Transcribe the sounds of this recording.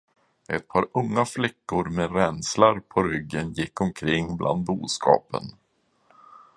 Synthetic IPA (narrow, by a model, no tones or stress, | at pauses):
ʔɛt̪̚pʰɑːɾɵŋːaflɪkːʊɾmeɾɛnslaɾpʰɔɾʏɡːənjɪkːɔmkʰɾɪŋːblʔa̰nd̪̚buːskʰɑ̰ːpə̰n